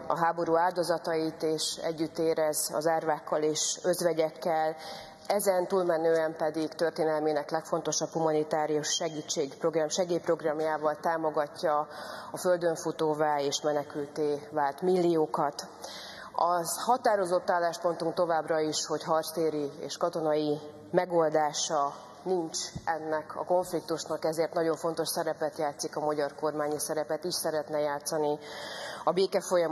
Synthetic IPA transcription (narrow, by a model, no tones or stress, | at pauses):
ɒ̰ɦaːbo̞ɾuːaːld̪ɒzɒt̪ɒit̪eːʃɛ̰ɟːyt̪ːeːɾɛzɒ̰zaːrvaːkːɒleːʃø̞zʋɛɟɛkːɛl | ɛzɛnt̪uːlmɛnøːɛmpɛd̪ikt̪ørt̪eːnɛlminɛklɛkfo̞n̪t̪oʃɒphumɒnit̪aːɾijuʃːɛɡiːt͡ʃːeːɡproɡrɒmʃɛɡeːpro̞ɡrɒmjaːvɒlt̪aːmo̞ɡɒcːɒɒføld̪ø̞ɱfut̪oːvaːeːʃmɛnɛkylt̪eːvaːlt̪milːijoːkɒt̪ | ɒzhɒt̪aːɾo̞zo̞t̪ːaːlːaːʃpo̞nt̪uŋkt̪o̞vaːbrɒiʃho̞cɦɒrst̪eːɾiḛːʃkɒt̪o̞nɒji | mɛɡo̞ld̪aːʃɒ | nint͡ʃɛnːɛkʰɒ̰ko̞ɱflik̚t̪uʃnɒkɛzeːrt̪nɒɟo̞ɱfo̞nt̪o̞ʃsɛɾɛpɛt̪jaːt̪sikɒmɒɟɒrko̞rmaːɲisɛɾɛpɛt̪iʃsɛɾɛt̪nɛjaːt̪sːɒni | ɒbeːkɛfo̞jɒ